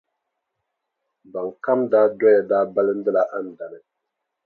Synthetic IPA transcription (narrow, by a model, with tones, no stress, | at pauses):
ba˨ŋ˨ka˦mdaː˦dɔ˦ja˨daː˦ba˦lɨ˦n̩˦dɨ˦la˨ʔa˦n̩˨da˨nɨ˨